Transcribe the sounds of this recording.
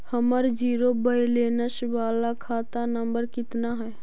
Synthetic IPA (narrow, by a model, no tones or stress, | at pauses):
həməɾd͡ʒiːɾobəjleːnəʃʋaːlakʰaːt̪anəmbəɾkɪt̪naɦɛː